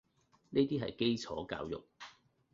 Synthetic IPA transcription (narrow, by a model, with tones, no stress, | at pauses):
ne˥jt̪iː˥ɦɐ̰˨jke˥jt͡sʰɔ̰ː˨˥ka̰ː˧wjʊ̰˨k̚